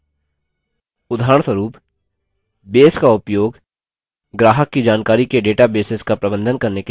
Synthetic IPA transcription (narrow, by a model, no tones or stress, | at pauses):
ʊd̪ʱaːɾəɳ̃swəɾuːp | beːskaʊpjoːɡ | ɡɾaːɦəkːid͡ʒaːnkaːɾikeɖeːʈabeːsɪskapɾɐbə̃nd̪ʱənkɐɾneke